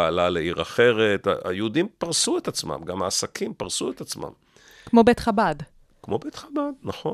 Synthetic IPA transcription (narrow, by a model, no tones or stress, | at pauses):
aalaleiʁaχe̞ʁet̪a̰a̰judimpaʁsuet̪at͡sma̰mɡamaːsakʰimpaʁsuet̪at͡sma̰m | kmo̞bet̪χabad | kmo̞bet̪χabad̪naχo̞